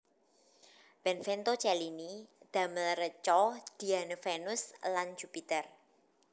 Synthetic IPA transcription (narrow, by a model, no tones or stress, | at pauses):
b̥ɛnfent̪ot͡ʃɛlinid̪̥a̤məlrət͡ʃɔd̪̥i̤anəfenʊsland͡ʒ̥upit̪ər